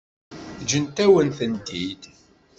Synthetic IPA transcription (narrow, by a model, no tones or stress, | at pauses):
d͡ʒənt̪æwənθənt̪id̪